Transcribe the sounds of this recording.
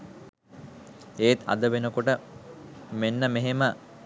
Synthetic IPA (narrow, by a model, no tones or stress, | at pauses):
eːt̪ʰa̰d̪əʋenəkoʈə | menːəmeɦemə